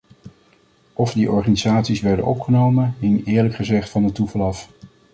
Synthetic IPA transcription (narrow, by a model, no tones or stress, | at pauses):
ʔɔvdiʔɔɹχaːnizaːtsisʋɛɹdə̰nɔpχənowmənɦɪŋɪːɹləkχəzɛχtfɑndətuvɑlˠɑf